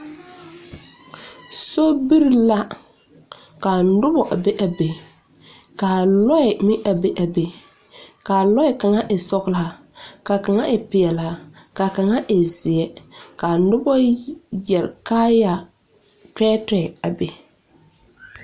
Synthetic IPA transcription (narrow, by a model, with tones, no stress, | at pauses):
so˦bi˦ɾla˦ | ka˨nʊ˦bɔ˨ʔa˨be˦ʔa˨be˨ | kaː˨lɔ˦ɛ˨mɪ˦ʔa˨be˦ʔa˨be˨ | kaː˨lɔ˦ɛ˨ka˨ŋa˦ʔɪ˨sɔ˦ɣla˦˨a˨ | ka˨ka˨ŋa˦ʔɪ˨pɪ˨ɛ˨la˨ka˨ka˨ŋa˦ʔɪ˨zɪ˨ɛ˨ka˨nʊ˦bɔ˦jɛ˨ɾkaː˦ja˨ | tɛː˦tɛ˨a˨be˨